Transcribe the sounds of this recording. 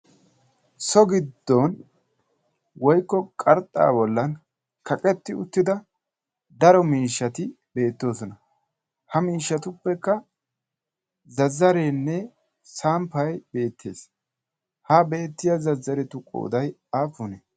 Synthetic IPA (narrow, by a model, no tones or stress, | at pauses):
sɔɡɪd̪ːɔn | wɔjkːɔkʼɐɾt̪ʼːa̰ːbɔlːɐn | kʰɐkʼɛt̪ːɪʊ̰t̪ːɪd̪ɐ | d̪ɐɾɔmiːʃːɐt̪ɪ | be̞ːt̪ːo̞ːsɔnɐ | hɐmiːʃːɐt̪ʊpːɛkːɐ | zɐzːɐɾeːnːɛ | saːmpɐjbe̞ːt̪ʰːe̞ːs | habe̞ːt̪ːɪjɐzɐzːɐɾɛt̪ʊkʼo̰ːd̪ɐj | aːfʊnɛ